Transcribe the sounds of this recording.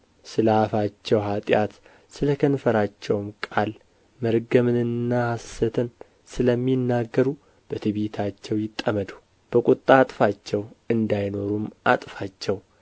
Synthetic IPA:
sɨləafat͡ʃːɛwɦat̪ʼjat̪ | sɨləkʰənfəɾat͡ʃːɛwmkʼal | məɾɡəmɨnɨnːahasət̪ʰɨn | sɨləmːinːaɡːəɾu | b̥ət̪ʰɨβet̪ʰat͡ʃːɛwjɪt̪ʼːəməd̪u̥ | b̥əkʼut̪ʼːat̪ʼfat͡ʃːɛwɨnd̪ajno̞ɾumʔa̰t̪ʼfat͡ʃːɛw

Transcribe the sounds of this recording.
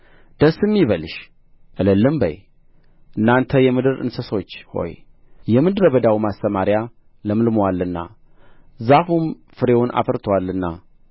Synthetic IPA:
d̪̥əsɨmːjiβəlʃ | ʔɨləlːɨmbə̰j | ʔɨnːant̪ʰəjɛmɨd̪ɨɾɨ̰nsəso̞t͡ʃːho̞̰j | jɛmɨd̪ɨɾəbəd̪awmast̪əmaɾja | ləmɨlmwalːɨnːa̰ | zafum | fɨɾe̞wʊnʔa̰fəɾt̪ʰəwalːɨnːa̰

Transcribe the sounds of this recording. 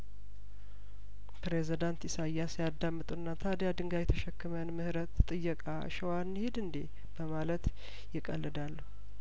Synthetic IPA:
pɾezid̪ant̪ɪsajːasjad̪ːamːɨt̪ʼunːat̪ʰad̪jad̪ɨŋɡajɛt̪ʰəʃəkːɨmənmɨhɾət̪ːʼɨjːəkʼa̰ʃəwanːhed̪ɨnd̪e | b̥əmalət̪ | jɪkʼə̰lːɨd̪alːəh

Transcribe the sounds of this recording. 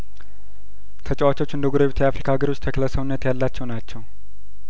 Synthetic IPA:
t̪ʰət͡ʃʼɛwat͡ʃo̞t͡ʃːɨnd̪əɡuɾeβt̪ʰjɛafɾikʰaɡəɾo̞t͡ʃːt̪ʰəkʰələsəβnːət̪jalːat͡ʃːɛwnat͡ʃːɛw

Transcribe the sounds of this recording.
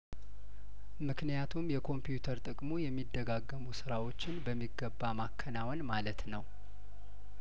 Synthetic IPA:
mɨknijat̪ʰumjɛkʰo̞mpjut̪ʰəɾt̪ʼɨkʼmojɛmːid̪ːəɡaɡːəmusɨɾawo̞t͡ʃːɪnbəmːiɡːəbːamakʰːənawɔnmalət̪nəw

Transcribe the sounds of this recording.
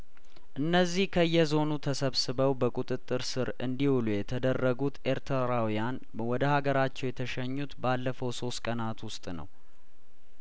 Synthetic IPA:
ʔɨnːəzːihkʰəɨjːɛzo̞nut̪ʰəsəβsɨβəwbəkʼut̪ʼɨt̪ʼːɨɾsɨɾɨnd̪ihulujɛt̪ʰəd̪ərːəɡut̪ʔe̞ɾt̪ʰəɾawijan | wɔd̪əhaɡəɾat͡ʃːɛwjɛt̪ʰəʃəɲːut̪balːəfəwso̞st̪kʼənat̪wʊst̪ʼnə̰w

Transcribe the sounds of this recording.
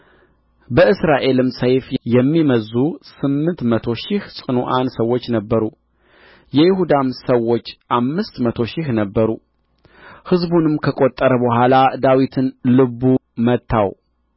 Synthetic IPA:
bəʔɨsɾaʔe̞lɨmsəjfjɛmːiməzːusɨmːɨnt̪mət̪ʰo̞ʃɪhsʼɨnoʔansəwːot͡ʃːnəbːəɾu | jɛjɪhud̪amsəwːo̞t͡ʃːʔamːɨst̪mət̪ʰo̞ʃɪhnəbːəɾu | hɨzbunɨmkʰəkʼo̞t̪ʼːəɾəbəɦʷalad̪awit̪ʰɨnlɨbːumət̪ʰːaw

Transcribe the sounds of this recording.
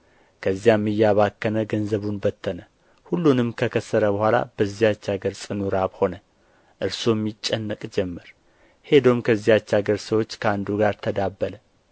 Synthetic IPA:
kʰəzːijamːɨjːaβakːənəɡənzəβunbət̪ʰːənə | hulːunɨmkʰəkʰəsːəɾəbəhʷala̰b̥əzːijat͡ʃːaɡəɾsʼɨnuɾaβho̞nə | ʔɨɾsomːit͡ʃʼːɛnːəkʼd͡ʒɛmːəɾ | he̞d̪omkʰəzːijat͡ʃːaɡəɾsəwo̞t͡ʃːkʰəand̪uɡaɾt̪ʰəd̪abːələ

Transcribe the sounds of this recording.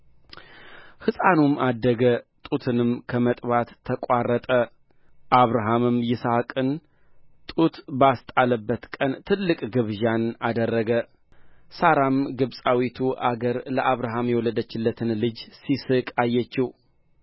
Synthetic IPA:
hɨsʼanumʔad̪ːəɡət̪ʼut̪ʰɨnɨmkʰəmət̪ʼbat̪ʰːəkʼarːət̪ʼə | ʔaβɾaɦamɨmjɪsakʼɨn | t̪ʼut̪bəast̪ʼaləbːət̪kʼənt̪ʰɨlːɨkʼɡɨβʒanad̪ərːəɡə | saɾamɡɨβsʼawit̪ʰuʔa̰ɡəɾləʔaβɾaɦamjɛwɔlːəd̪ət͡ʃːɪlːət̪ʰɨnlɨd͡ʒsisɨkʼajːɛt͡ʃːiw

